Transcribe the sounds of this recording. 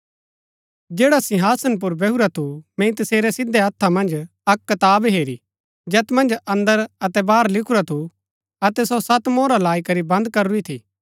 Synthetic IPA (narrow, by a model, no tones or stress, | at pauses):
d͡ʒeːɽasɪɦaːsənp̬ʊɾbɛɦuɾat̪ʰumɛ̃ĩt̪ɐseːɾɛsɪd̪ːɛɐt̪ʰːamɐ̃nd͡ʒ | ɐkːɐt̪aːbɦeːɾi | d͡ʒɛːt̪mɐ̃nd͡ʒɐ̃nd̪əɾɐt̪ɛbaːɾlɪkʰuɾat̪ʰu | ɐt̪ɛsosɐt̪moːɾalaːikɐɾibɐ̃nd̪kɐɾuit̪ʰḭː